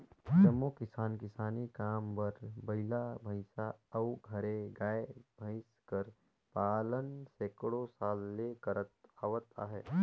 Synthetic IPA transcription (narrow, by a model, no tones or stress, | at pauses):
t͡ʃəmokɪsaːnkɪsaːnikaːmʋəɾbɐɪlabʱəɪsaɐuɡʱɐɾẽɡaːebʱəɪskəɾ | paːlənseːkɽosaːlːekəɾət̪aːʋət̪a̰ːɦɛ̰ː